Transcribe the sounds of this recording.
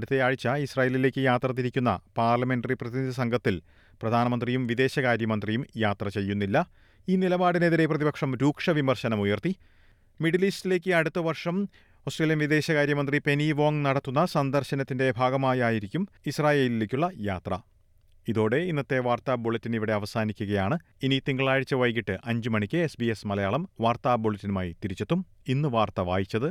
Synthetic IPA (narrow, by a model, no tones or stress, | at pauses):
ɽut̪ːe̞jaːɻit͡ɕːaisraːjeːlile̞ːkʲːɨjaːt̪rɐt̪̬ːiɾikʲːunːɐ̰paːrlɐme̞nɖɐriprɐðinid̪ʱɐs̬ɐŋɡʱɐt̪ːil | prɐd̪ʱaːnɐmɐnd̪rijumʋid̪e̞ːɕɐkaːɾjɐmɐnd̪rijumjaːt̪rɐt͡ɕe̞jːunːilːɐ | iːnilɐbaːɽineðiɾe̞prɐðibɐkʂɐmɾuːkʂɐʋimɐrɕɐnɐmujɐrt̪i | miɖiliːstile̞ːk̬ʲːɨɐɽut̪ːɐʋɐrʂɐm | o̞ːsʈreːljɐnʋiðe̞ːɕɐkaːɾjɐmɐnd̪ripe̞niʋo̞ːŋnɐɽɐt̪ːunːɐsɐnd̪ɐrɕɐnɐt̪ːinde̞bʱaːɡɐmaːjaːjiɾikʲːum | israːje̞ːlileːkʲːuɭːɐjaːt̪rɐ̰ | iðo̞ːɽe̞inːɐt̪ːe̞ʋaːrt̪abo̞ɭɐtːiniʋiɽe̞ɐʋɐsaːnikʲːuɣɐjaːɳɨinit̪iŋɡɐɭaːɻit͡ɕːɐʋɐjk̬ːiʈːɨʔɐɲd͡ʑumɐɳikʲːɨesbiesmɐlɐjaːɭɐmʋaːrt̪aːboɭɐtːinumaːjit̪iɾit͡ɕːet̪ːum | inːɨʋaːrt̪ɐʋaːjit͡ɕːɐðɨ